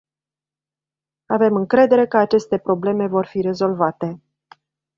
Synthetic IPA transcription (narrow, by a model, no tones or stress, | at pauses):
ave̞mɨŋkɾe̞d̪e̞ɾe̞kəat͡ʃe̞st̪e̞pɾo̞ble̞me̞vo̞rfiɾe̞zo̞lvat̪e̞